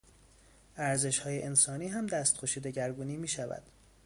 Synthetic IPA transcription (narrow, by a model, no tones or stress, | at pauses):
ʔæɾze̞ʃhɒːjeʔensɒːniːɦæmd̪æst̪xʰoʃiːd̪eɟæɾɡuːniːmiːʃævæ̰d̪̥